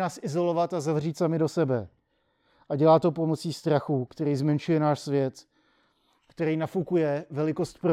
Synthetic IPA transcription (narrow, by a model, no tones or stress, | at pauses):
naːsʔɪzo̞lo̞vat̪azavr̝iːt̪samɪdo̞sɛbɛ | ʔaɟɛlaːt̪o̞p̬o̞mo̞t͡siːst̪ɾaxuːkt̪ɛɾiːzmɛnʃujɛnaːʃsvjɛt̪ | kt̪ɛɾiːnafukujɛvɛlɪko̞st̪̚pɾo